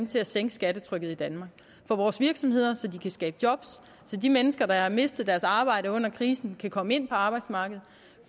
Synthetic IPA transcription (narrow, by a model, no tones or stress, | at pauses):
mt͡sʰe̝læseŋ̰ɡ̥əsɡ̥æɾət͡sʰʁœɡ̥ð̞̩ˠid̥ænmɑ̈ːɡ̥ | fɒ̽ʋɒːsʋiɐɡ̥sɒ̽mhe̝ð̞̰ˠɐsɒ̽d̥ikʰæsɡ̥ɛːb̥d̥jɒ̽b̥sː | ɒ̽dimenəsɡ̥ɐd̥ɑ̈hɑ̈me̝sd̥ð̞̩ˠd̥æɐsɑ̈ːb̥ɑ̈ɪ̰ɾəɔ̽n̰ɐkʰʁiːsn̩kʰækʰɒ̽məe̝n̰pʰɒ̽ɑ̈ːb̥ɑ̈ɪd̥smɑ̈ːɡ̥əð̞̩ˠ | f